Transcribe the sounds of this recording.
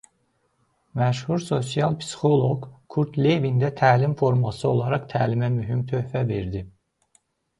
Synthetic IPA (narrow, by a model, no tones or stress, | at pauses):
mæʃhuɾso̞s̬jɑlˠpʰi̥si̥xo̞lˠo̞ɡkʰuɾt̪ʰlevind̪æt̪ʰæːlimfo̞ɾmɑsɯo̞lˠɑɾɑχt̪ʰæːlimæmyɦimt̪ʰø̞hfæve̞ɾd̪i